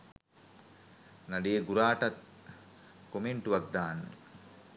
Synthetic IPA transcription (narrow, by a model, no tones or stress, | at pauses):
naɖejeɡuɾaːʈat̪̚ | komeɳʈuʋak̚d̪aːnːə̰